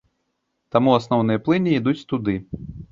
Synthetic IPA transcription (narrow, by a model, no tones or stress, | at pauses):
t̪amuasnɔwnɨjɐplˠɨnʲiid̪ut͡sʲt̪ud̪ɨ